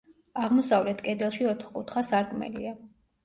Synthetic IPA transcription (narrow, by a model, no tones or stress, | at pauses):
aʁmɔsavlɛt̪ʰkʼɛd̪ɛlˠʃiɔt̪ʰχkʼut̪ʰχasaɾkʼmɛ̰lḭa